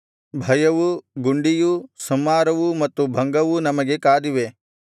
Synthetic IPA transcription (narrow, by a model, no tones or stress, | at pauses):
bʱɐjɐʋuɡuɳɖijusɐmːaːɾɐʋumɐt̪ːubʱɐŋɡɐʋunɐmɐɡe̞kaːd̪iʋe̞